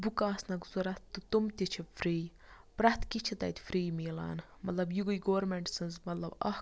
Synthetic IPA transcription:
bukaːsnɐkzuɾɐt̪ːɨt̪umt̪ʲit͡ʃʰifɾiː | pɾɐht̪kit͡ʃʰit̪ɐ̰jt̪ʲfɾiːmiːla̰ːn | mɐt̪lɐbjuɡuiɡoːɾmeɳʈsɨnzmɐt̪lɐbɐ̰h

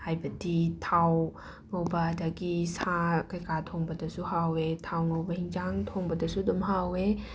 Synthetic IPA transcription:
hajbɐditʰaw | nowbadaɡisakɐjkatʰoŋbɐdɐsuhawetʰawnowbɐhiŋd͡ʒaŋtʰoŋbɐdɐsudɔmɦawe

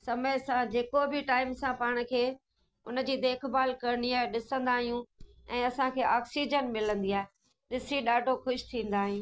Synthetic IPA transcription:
sɐməjsãd͡ʑeːkobʱɪʈaːɪmsãpaːɽ̃ə̆kʰeː | ʊnə̆d͡ʑiːd̪eːkʰbaːlkɐɾɪniaːɦeɗɪsə̃nd̪aːɦijũ | ɛ̃ːɐsãkʰeːʔaːksiːd͡ʑənmɪlə̃nd̪iaːe | ɗɪsiɗaːɖʱoxʊʃt̪ʰĩːnd̪aːɦijũː

